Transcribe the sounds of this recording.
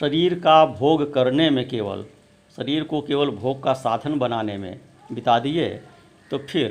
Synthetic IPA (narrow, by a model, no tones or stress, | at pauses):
ʃəɾiːɾkabʱoːɡkəɾnemẽkeːʋə̰l | ʃəɾiːɾkokeːʋəlbʱoːɡ̚kasaːd̪ʱənbənaːnemḛ̃ | bɪt̪ad̪iḛ | t̪opʰɪɾ